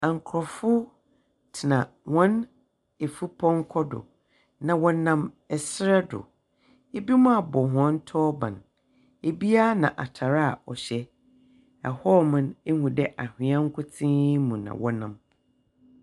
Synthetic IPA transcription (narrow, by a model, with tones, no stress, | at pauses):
ã˨ŋ˨kʰɾɔ˨fʊ˦ | tʰɪ˨nã˨ | wɔ̃˦n | e˨fu˦pʰɔ̃˦ŋ˦kʰɔ˦dʊ̰˨ | nã˨wɔ̃˦nã˦m | ɛ˨sɾɛ˦dʊ̰˨ | e˦bi˦mũ˦a˨bɔ˨ɦɔ̃˦n˦tʰɔː˦bã̰˨n | e˨bi˦a˦nã˨ʔa˨tʰa˨ɾa˦a˨ɔ˨ɕɛ˦ | ɛ˨hɔ˦mʊ̃˨ne˦hũ˨dɛ˦ʔa˨hɪ̃˨ã˦ŋ̩˦kʰʊ˦tʰĩ˦mũ˨nã̰˨wɔ˦nã˨m